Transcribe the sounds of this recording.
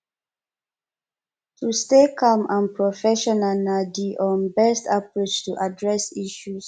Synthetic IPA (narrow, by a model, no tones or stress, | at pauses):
tʰustekʰamʔãnpʰɹɔfɛʃɔnanadiʔɔ̃nbɛstapɹit͡ʃtuʔadɹɛsiʃus